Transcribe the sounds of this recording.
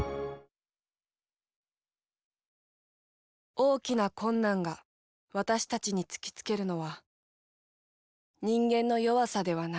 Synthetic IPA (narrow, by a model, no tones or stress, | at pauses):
o̞ːkʲinakõ̞nːãŋɡa | βat̪aɕi̥t̪at͡ɕiɲ̟it͡sɨ̥kʲi̥t͡sɨ̥ke̞ɾɯ̟no̞βa | ɲĩŋɡẽ̞nːo̞jo̞βasad̪e̞βana